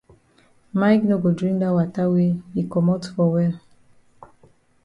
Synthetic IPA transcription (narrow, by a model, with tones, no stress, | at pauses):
ma˦jkno˦ɡo˨dɹĩ˦ŋda˦wa˨ta˦we˦hi˨kɔ˨mo˦tfɔ˨wɛ˦l